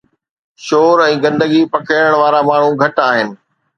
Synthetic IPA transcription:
ʃoːɾɛ̃ːɡɐ̃nd̪əɡipɐkʰəəɽ̃ʋaːɾamaːɳ̤ũɡʱɐʈaːɦɪnɪ̆

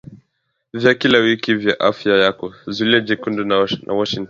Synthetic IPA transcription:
vjakilawikivjaʔafjajakɔzuliad͡ʒikundunanʔa̰wɔʃiŋtɔn

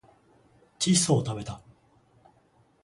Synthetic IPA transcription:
t͡ɕisoːt̪abe̞t̪a

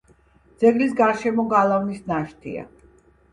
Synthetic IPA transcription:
d̪z̥ɛɡlisɡaɾʃɛmɔɡalˠavnisnaʃt̪ʰḭa̰

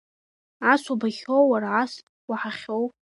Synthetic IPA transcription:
asubaχʲowwaɾaʕas | waħaχʲowʼ

